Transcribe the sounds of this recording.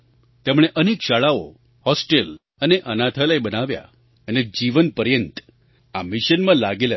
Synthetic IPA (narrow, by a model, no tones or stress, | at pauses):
t̪emɽ̃eʔənekʃaɭao | hɔsʈel | əneʔənat̪ʰəlajbənaʋja̰ | əned͡ʒiʋənpəɾjənt̪ | amiʃənmãlaɡela